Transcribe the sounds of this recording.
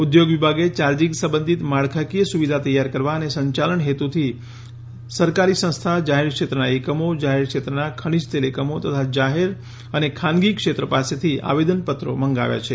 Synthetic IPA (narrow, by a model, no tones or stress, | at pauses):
ud̪joɡʋibʱaɡet͡ʃaɾd͡ʒiksə̃mbənd̪ʱit̪maɭkʰakijəsuʋid̪ʱat̪əjaɾkəɾʋaənesəɲt͡ʃaləɳɦet̪ut̪ʰi | səɾkaɾisə̃st̪ʰad͡ʒaɦeɾkʂet̪ɾənaekəmod͡ʒaɦeɾkʃet̪ɾənakʰəɽ̃id͡ʒt̪elekəmot̪ət̪ʰad͡ʒaɦeɾ | ənekʰanɡikʃet̪ɾəpaset̪ʰia̰ʋed̪ənpət̪ɾo̰məŋɡa̰ʋja̰t͡ʃʰe